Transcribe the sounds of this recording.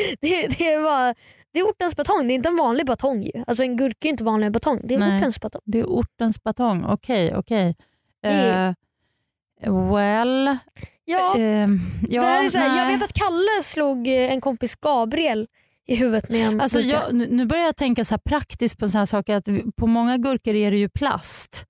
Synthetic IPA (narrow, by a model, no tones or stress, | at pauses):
d̪̥ɛd̪ɛvɑ | d̪̥ɛːɾʊʈːənsbat̪ʰɔŋːd̪ɛɪɪnt̪əɛnvɑːnlɪɡbat̪ʰɔŋːjɵ̰als̬ɔɛnɡɵɾkaɛjʏɪnt̪əvɑːnlɪɡabat̪ʰɔŋːd̪ɛːʊʈːənsb̥at̪ʰɔŋd̪ɛæʔʊʈːənsb̥at̪ʰɔŋːɔ̰kʰɛjɔ̰kʰɛj | wɛl | jɑː | jɑːsjɑːɡveːt̪at̪kʰalːəsluːɡɛnkʰɔmpɪsɡ̥ɑːbɾɪɛl | ɪɦʉ̟ːvət̪mɛɛnalsɔjɑnːnʉ̟ːbœɾjajɑːt̪ʰɛŋkasɔhæːɾpʰɾakt̪ɪskt̚pʰɔd̪ɛnsnhæːʂɑːkəɾat̪pʰɔmɔŋːaɡɵɾkəɾæɾɛjɵpʰla̰st̪